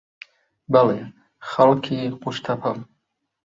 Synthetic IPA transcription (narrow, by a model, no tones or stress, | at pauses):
bale | χalkʰiquʃt̪ʰapʰam